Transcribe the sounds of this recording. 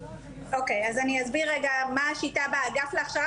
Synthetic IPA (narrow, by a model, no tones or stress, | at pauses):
ʔokejazaniazbiʁːeɡamaːʃitabaɡafleaχʃa